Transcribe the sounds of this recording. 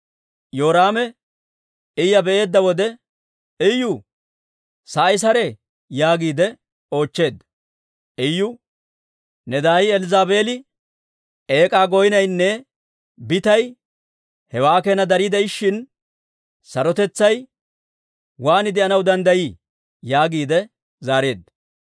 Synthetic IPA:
jo̞ːɾaːmɛ | ɪjːɐbɛʔe̞ːd̪ːɐwɔd̪ɛ | ɪjːʊ | sɐːjs̬ɐɾɛ | jaːɡiːd̪ɛ | o̞ːt͡ʃːe̞ːd̪ːɐ | ɪjːʊ | nɛd̪aːjɪɛlɪzaːbe̞ːlɪ | e̞ːkʼaːɡɔjɪnɐjnːɛ | bɪt̪ɐj | hɛwaːkenɐd̪ɐɾiːd̪ɛɪʃːɪn | sɐɾɔt̪ɛt͡sːɐj | waːnɪd̪ɛɐnɐwd̪ɐnd̪ɐji | jaːɡiːd̪ɛ | zaːɾe̞ːd̪ːɐ

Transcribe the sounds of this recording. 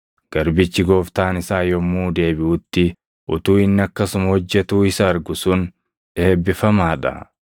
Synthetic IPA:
ɡ̥ɐɾbɪt͡ʃːɪɡo̞ːft̪aːnɪsaːjɔmːuːd̪e̞ːbɪʔʊt̪ːɪ | ʔʊt̪uːɪnːɪɐkːɐsʊmɐhɔd͡ʒːɛt̪uːɪsɐːɾɡʊsʊn | ᶑeːbːɪfɐmaːᶑɐ̰

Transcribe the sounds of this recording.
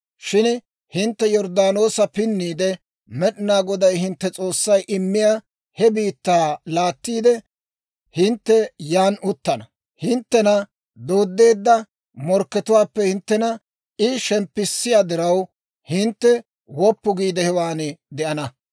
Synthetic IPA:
ʃɪn | hɪnt̪ːɛjɔɾd̪aːno̞ːsɐpɪnːiːd̪ɛ | mɛɗɪnaːɡɔd̪ɐjhɪnt̪ːɛt͡sʼo̞ːsːɐjʔɪmːɪjaː | hɛbiːt̪ːaːlaːt̪ːiːd̪ɛ | hɪnt̪ːɛjaːnʔʊt̪ːɐnɐ | hɪnt̪ːɛnɐ | d̪o̞ːd̪ːe̞ːd̪ːɐ | mɔɾkːɛt̪ʊwaːpːɛhɪnt̪ːɛnɐ | ʔɪʃɛmpːɪsːɪjaːd̪ɪɾɐw | hɪnt̪ːɛ | wɔpːʊɡiːd̪ɛhɛwaːnɛd̪ɛʔɐnɐ

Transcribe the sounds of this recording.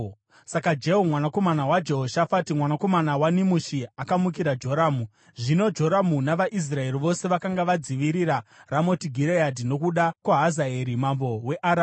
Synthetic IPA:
sakad͡ʒe̞ɦomwanako̞manawad͡ʒe̞ɦoʃafatimwanako̞manawanimuʃiakamuk̬iɾad͡ʒo̞ɾaːmu | ʐino̞d͡ʒo̞ɾamunaʋaʔis̬rae̞riʋo̞se̞ʋakaŋɡaʋad͡ziʋiɾiɾaramo̞tiɡʱiɾeadino̞kuɗakwaɦazaeɾimambo̞we̞ʔaɾa

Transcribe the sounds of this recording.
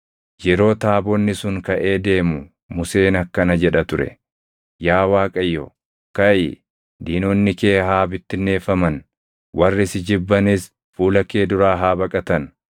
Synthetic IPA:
jɛɾo̞ːt̪aːbɔnːɪsʊŋkɐʔe̞ːd̪e̞ːmʊ | mʊse̞ːnɐkːɐnɐd͡ʒɛᶑɐt̪ʊɾɛ̰ | jaːwaːkʼɐjːɔ̰ | kɐjɪ | d̪iːnɔnːɪke̞ːɦaːbɪt̪ːɪnːe̞ːfɐmɐn | wʔɐrːɪsɪd͡ʒɪbːɐnɪs | fuːlɐke̞ːd̪ʊɾaːɦaːbɐkʼɐt̪ɐn

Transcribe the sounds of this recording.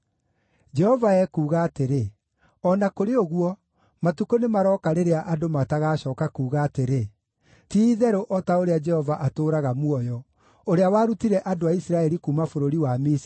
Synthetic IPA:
d͡ʒɛhɔvaɛkuːɣaːteɾe | ɔnakoɾeoɣwɔ | matukonemaɾɔːkaɾeɾeaʔadomataɣaːɕɔːkakuːɣaːteɾe | tiðɛɾoʔɔtaoɾead͡ʒɛhɔvaʔatoːɾaɣamwɔjɔ | oɾeawaːɾutiɾɛʔadoaisiɾaɛɾikumafoɾoɾiwamis

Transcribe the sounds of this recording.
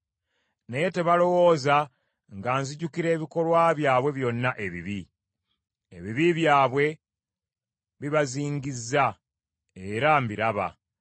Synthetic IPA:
neje̞te̞βalo̞wo̞ːza | ŋɡaːnziɟukiɾe̞ːβiko̞lwaːβjaːβwe̞βjo̞nːaʔe̞βḭβi | ḛβiβiβjaːβwe̞ | βiβaziːɲɡizːa | e̞ɾambiɾaβa̰

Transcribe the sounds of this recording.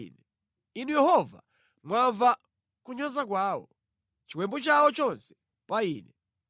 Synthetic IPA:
nɛ | inujɛɦɔva̰ | mwaɱva | kuɲɔzak̬waːwɔ̰ | t͡ʃiwɛmbɔt͡ʃawɔt͡ʃɔnsɛ̥ | paiːnɛ

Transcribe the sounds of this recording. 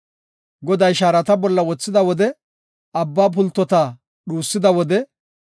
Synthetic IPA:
ɡɔd̪ɐjʃaːɾɐt̪ɐbɔlːɐwɔt͡sːɪd̪ɐwɔd̪ɛ | ɐbːaːp̬ʊlt̪ːɔt̪a | ɗuːsːɪd̪ɐwɔd̪ɛ

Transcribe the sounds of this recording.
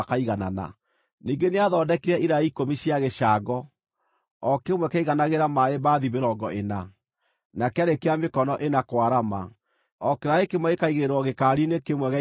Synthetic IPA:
kaiɣana̰na̰ | niŋɡeneaðɔːdɛkiɾɛʔiɾaikomiɕiaɣeʃaɡɔ | ɔkemwɛkaiɣanaɣeɾamaeβbaðiβeɾɔɡɔena | nakeaɾekeamekɔnɔʔenakwaɾama̰ | ɔkeɾaekemwɛɣekaiɣeɾɔɣekaːɾinekemwɛɣa

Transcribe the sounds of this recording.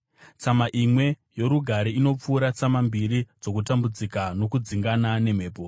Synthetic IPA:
t͡samaʔimwe̞ | jo̞ɾuɡʱaɾiino̞p͡fuːɾat͡samambiɾid͡zo̞kutambud͡zikano̞kud͡ziŋɡanane̞m̤e̞ːpo

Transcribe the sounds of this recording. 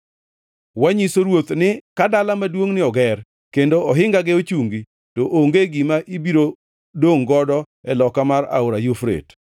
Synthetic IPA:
waɲisoɾwot̪nɪkadalamadwoŋnɪɔɡɛr | kendoɔɦɪŋɡaɡeot͡ʃuŋɡi | toʔoŋɡeɡɪmaʔibiɾo | doŋɡɔdɔ | ɛlɔkamaɾa̰oɾajufɾḛt

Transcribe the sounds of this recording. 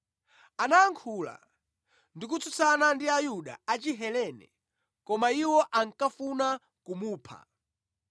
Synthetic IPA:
anaːŋkʰuːla̰ | ndik̬ut͡sut͡sanandiajuɗa̰at͡ʃiɦɛlɛnɛ̰ | kɔmaiwɔʔaŋkafuna | kumuːpʰa̰

